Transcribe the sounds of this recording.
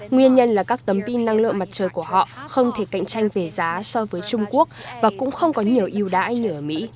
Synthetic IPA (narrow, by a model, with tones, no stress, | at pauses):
ŋwi˧ənɲə˧nlaː˨˩kaː˦˥k̚t̪ə˨˦mpi˧nːa˧ŋlɨ̰˧˨əŋma˨˩t̚t͡ɕəː˨˩jku˧˩əɦɔ̰˧˨xə˧wŋ͡mt̪ʰe˧˩ka̰˧˨ŋt͡ɕa˧jŋ̟ve˨˩zaː˨˦sɔ˧vəː˨˦jt͡ɕʊ˧ŋ͡mku˦˥ək̚vaː˨˩kʊ̰˧˥ŋ͡mxə˧wŋ͡mkɔ˨˦ɲi˨˩əwʔi˧əwɗa̰ː˧˥jɲə˧˩˨ə˨˩mḭ˧˥